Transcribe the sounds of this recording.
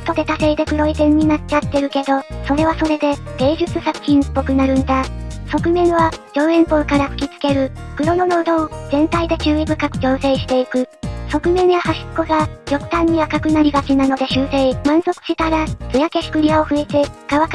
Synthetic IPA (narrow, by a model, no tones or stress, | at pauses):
t̪o̞d̪e̞t̪ase̞ːd̪e̞kɯ̟ɾo̞it̪ẽ̞ɲ̟ːinat͡ɕat̪ːe̞ɾɯ̟ke̞d̪o̞so̞ɾe̞βaso̞ɾe̞d̪e̞ɡ̥e̞ːʑɨt͡sɨsakɯ̟̥çĩnpːo̞kɯ̟naɾɯ̟̃nd̪aso̞kɯ̟mẽ̞ɰ̃βad͡ʑo̞ːẽ̞mpo̞ːkaɾaɸɯ̟̥kʲit͡sɨ̥ke̞ɾɯ̟kɯ̟ɾo̞no̞noɯd̪ozẽ̞nt̪aid̪e̞t͡ɕɨːibɯ̟kakɯ̟d͡ʑo̞ːse̞ːɕi̥t̪e̞ikɯ̟so̞kɯ̟mẽɰ̃jahaɕi̥t͡sko̞ɡajo̞kɯ̟̥t̪ãɲ̟ːiakakɯ̟naɾʲiɡat͡ɕinano̞d̪e̞ɕɨːseimãɰ̃so̞kɯ̥ɕit̪aɾat͡sɨjake̞ɕi̥kɯ̟ɾʲiao̞ɸɯ̟e̞t̪e̞ɡ̥aβak